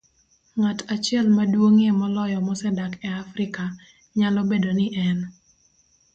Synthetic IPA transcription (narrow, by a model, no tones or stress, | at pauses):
ŋatat͡ʃɪɛlmadwoŋemɔlɔjɔmɔsɛdakɛafɾɪka | ɲalɔbedonɪʔɛn